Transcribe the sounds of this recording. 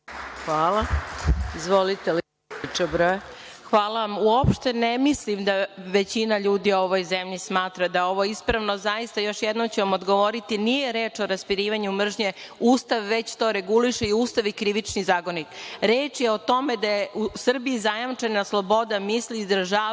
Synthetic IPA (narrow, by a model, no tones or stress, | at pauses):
xʋaːla | izʋolit̪el | t͡ʃobɾoxʋaːlaʋamuopʃt̪e̞nemislimd̪aʋe̞t͡ɕinaʎuːd̪ioo̞ʋo̞jzemʎismaːt̪ɾad̪ao̞ʋo̞ispɾaʋno̞zajist̪ajo̞ʃjed̪nomt͡ɕeʋamo̞d̪ɡoʋo̞ɾit̪inijeɾeːt͡ʃo̞ɾaspiɾiːʋaɲumr̩ʒɲe̞uːst̪aʋʋe̞t͡ɕt̪o̞ːɾe̞ɡuliʃeiuːst̪aʋikɾiʋit͡ʃnizaːɡo̞nikɾeːt͡ʂjeo̞t̪o̞me̞d̪ajeʔusr̩biizajamt͡ʂenaslˠo̞bo̞d̪amisliːzd̪ɾaʒaː